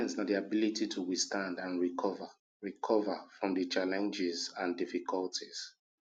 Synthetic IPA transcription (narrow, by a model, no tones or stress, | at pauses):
ɛ̃nsnadiabilititʰuwistãndãnɹikɔvə | ɹikʰɔvəfɹɔ̃mdət͡ʃalɛ̃nd͡ʒɪzãndifikʰɔltʰiz̥